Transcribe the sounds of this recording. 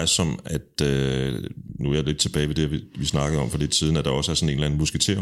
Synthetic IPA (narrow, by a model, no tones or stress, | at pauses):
sɒ̽mæd̥ø | nuæle̝d̥̚t͡sʰe̝b̥ɛːɪʋe̝d̥eʋiʋisnɑ̈ɡ̥əð̞̩ˠɒ̽m̰fɒ̽l̥e̝d̥siːð̞ˠn̩æd̥ɑ̈ɒ̽səæɐsɒ̽ne̝ːnlæn̩musɡ̥et͡sʰe̝̰ɐ̰